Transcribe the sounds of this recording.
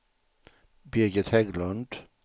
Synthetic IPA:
bɪɡət̪hɛɡlənd̪̥

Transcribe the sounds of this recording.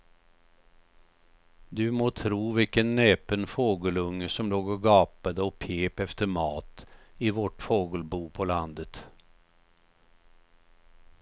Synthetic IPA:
d̪ɵmoːt̪ʰɾuːvɪlkənːeːpənfoːɡəlɵŋːəʂɔmloːɡɔɡɑːpad̪əɔpʰeːpɛft̪əɾmɑːt̪ɪvɔʈfoːɡəlbuːpʰɔland̪ət̪

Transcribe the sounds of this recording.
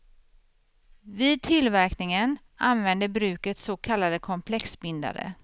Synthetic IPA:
viːd̪̚t̪ʰɪlvæɾknɪŋən | anvɛnd̪əɾbɾʉ̟ːkət̪sokʰalːad̪əkʰɔmpʰlɛksbɪnd̪a̰ɾə̰

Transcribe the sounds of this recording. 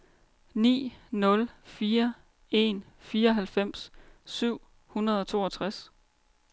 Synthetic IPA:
nḭːnɔ̽lfiːɐ | e̝n | fiːɐɒ̽ɦælfem̰ssyʊ̰ | hunɐð̞̩ˠɒ̽t͡sʰo̝̰ːɒ̽t͡sʰʁas

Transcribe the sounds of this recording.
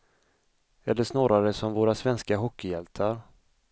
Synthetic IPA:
ɛlːəʂnɑːɾaɾəsɔmvoːɾasvɛnskaɦɔkːɪjɛlt̪ʰaɾ

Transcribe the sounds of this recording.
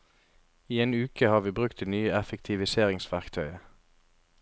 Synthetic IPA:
iːeːnʉːkʰəhɑːʁʋiːbʁʉkt̪nyːəɛfəkt̪ʰɪʋɪseːʁɪŋsʋæʁkt̪ʰœʏə

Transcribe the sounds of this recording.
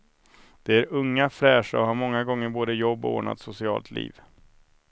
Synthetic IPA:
d̪̥ɛæɾɵŋːafɾɛːʂɔ̰ɦaɾmɔŋːaɡɔŋːəɾboːd̪əjɔbːɔ̰o̰ːɳa̰t̪sʊsɪɑ̰ːlt̪ʰlḭːv

